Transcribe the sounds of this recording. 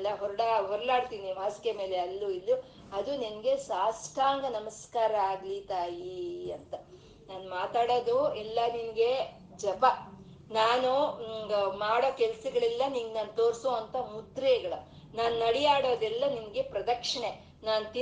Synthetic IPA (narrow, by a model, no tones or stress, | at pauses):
lːɐɦɔɾɐɽaɦɔɾlaːɽt̪iːnimaːskeme̞ːle̞ɐlːuilːu | ɐd̪uninɐɡe̞saːskaːŋɡɐnɐmɐskaːɾɐaːɡlit̪aːjiɐnt̪ɐ | naːnmaːt̪aːɽoːd̪uɛlːɐninɐɡe̞ | d͡ʒɐpɐ | naːnu | maːɽoːkɛlsɐɡɐɭɛlːɐninɡnaːnt̪oːɾsoːɐnt̪ʰɐmud̪ɾɛɡɐɭɐ | naːnunɐɽijaːɽoːd̪ɛlːɐninɐɡe̞pɾɐd̪ɐkʂɐɳe | naːnut̪i